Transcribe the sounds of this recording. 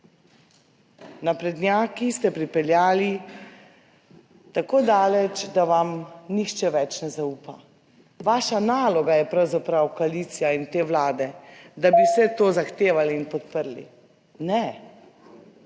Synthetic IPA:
napɾɛd̪njaːkist̪ɛpɾipɛljaːli | t̪akoːd̪aːlɛt͡ʃd̪aʋamnixt͡ʃɛʋɛt͡ʃnɛzauːpa | ʋaːʃanaːlɔɡajɛpɾawzapɾawkoaliːt̪sijaint̪eːʋlaːd̪ɛd̪abisɛt̪oːzaxt̪eːʋaliːnpɔt̪pəɾlḭ | nɛ

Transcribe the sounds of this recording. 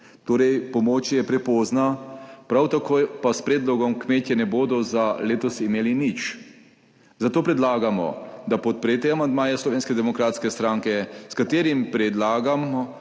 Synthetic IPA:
t̪oːɾɛjpɔmoːt͡ʃjɛpɾɛpɔːznapɾawt̪akʰojpaspɾeːd̪lɔɡɔmkmeːt̪jɛnɛboːd̪ɔzaleːt̪ɔsimeːlinit͡ʃ | zat̪oːpɾɛd̪laːɡamɔ̰d̪apɔt̪̚pɾeːt̪ɛamand̪maːjɛslɔʋeːnskɛd̪ɛmɔkɾaːt̪skɛst̪ɾaːŋkɛskat̪eːɾimpɾɛd̪laːɡamɔ

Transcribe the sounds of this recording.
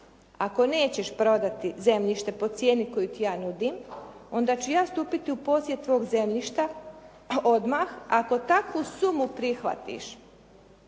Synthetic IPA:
ako̞ne̞ːt͡ɕeʃpɾo̞d̪at̪ize̞mʎiʃt̪e̞po̞t̪sje̞ːniko̞jut̪ijaːnud̪imo̞nd̪at͡ɕujaːst̪uːpit̪iupo̞ːsjet̪ːʋo̞ːɡze̞mʎiʃt̪a | od̪maxako̞t̪akʋusumupɾixʋa̰t̪ḭʃ

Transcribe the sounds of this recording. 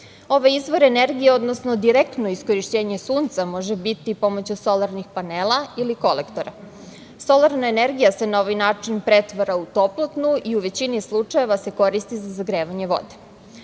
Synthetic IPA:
o̞ʋajizʋo̞ɾeneɾɡijeo̞d̪nosno̞d̪iɾekt̪no̞isko̞ɾiʃt͡ɕeːɲe̞suːnt̪samo̞ʒebit̪ipo̞mot͡ɕuso̞laɾnixpaneːlˠailiko̞lekt̪o̞ɾa | so̞lˠaɾnaeneɾɡijase̞nao̞ʋajnaːt͡ʂinpɾet̪ʋaɾaut̪o̞plˠot̪nuiuʋe̞t͡ɕinislˠut͡ʂaje̞ʋase̞ko̞ɾist̪izazaɡɾeːʋaɲe̞ʋo̞̰d̪e̥

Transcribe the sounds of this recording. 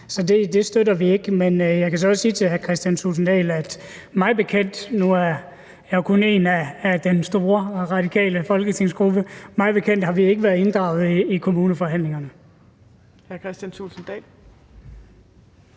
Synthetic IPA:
sɒ̽d̥e̝d̥e̝sd̥øɾɐʋie̝ɡ̥menjɑ̈ɪkʰæs̬ɒ̽ɒssiːt͡sʰe̝lhæɐkʰʁɛsd̥jænsṵːlsn̩d̥ɛ̰ːlæd̥ | mɑ̈ɪb̥e̝kʰen̰d̥nuæɐ | jɑɪkʰɔ̽ne̝ːnæːd̥ensd̥o̝ːɐʁɑ̈d̥ikʰɛ̰ːləfɒ̽lɡ̥ət͡sʰe̝ŋ̰sɡ̥ʁub̥əmɑ̈ɪb̥e̝kʰen̰d̥hɑ̈ʋie̝ɡ̥əʋæɐð̩ˠe̝nd̥ʁɑ̈ʊð̩ˠiːkʰo̝muːnəfɒ̽ɦæn̰le̝ŋɐnə | hæɐkʰʁɛsd̥ænsulsn̩d̥ɛ̰ːl

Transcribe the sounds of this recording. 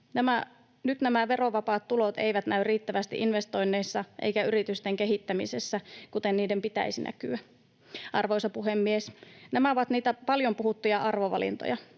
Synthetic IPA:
næmæ | nyt̪næmæʋe̞roʋɑpɑːt̪tːulot̪ḛjʋæt̪næyrriːt̪ːæʋæst̪ḭʔinʋest̪o̞jnːeisːɑʔḛjkæyɾit̪yst̪eŋke̞ɦit̪ːæmisesːækut̪enniːdempit̪æ̰isinʔæ̰ky̰æ | ʔɑrʋojsɑpuɦemːiesnæmæoʋɑt̪niːt̪æpɑljo̞mpuhut̪ːujɑʔɑrʋoʋɑ̰lḭnt̪o̰jɑ

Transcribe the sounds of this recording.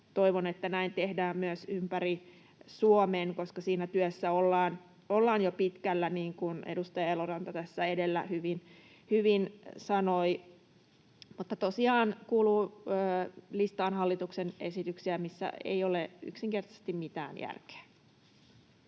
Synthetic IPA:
t̪oiʋonet̪ːænæint̪ehdæːmmyøsympæri | suomeːnkoskɑsiːnæt̪yøsːæolːɑːn | olːɑːnjopit̪kælːæniːŋkunḛdust̪ɑjɑelorɑnt̪ɑt̪æsːæedelːæ̰hyʋin | hyʋinsɑnoi | mut̪ːɑt̪osiɑːnkuːluːəːlist̪ɑːnhɑlːit̪uksenḛsit̪yksiæmisːæ̰ḛioley̰ksiŋkert̪ɑse̥st̪immit̪æ̰ːnjæ̰rke̥ː

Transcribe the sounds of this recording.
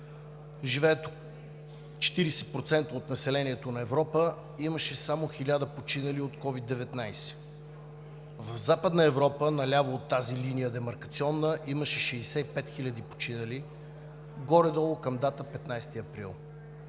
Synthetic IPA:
ʒivɛːt̪o | t͡ʃɛ̥t̪iɾɛsɛ̥pɾot̪sɛnt̪əot̪nɐsɛlɛniɛt̪onɐɛvɾɔpə | iməʃɛsamoxilʲad̪əpot͡ʃinəliot̪kɔvid̪ːɛvɛt̪najsɛ̥ | vɐvzapəd̪nəɛvɾɔpənɐlʲavoot̪ːazilinijəd̪ɛmɐɾkɐt̪siɔnːəʔiməʃɛʃɛsɛipɛt̪xilʲɐd̪ipo̥t͡ʃinəli | ɡɔɾɛd̪ɔlˠokɐmd̪at̪əpɛt̪najst̪iɐpɾḭlˠ

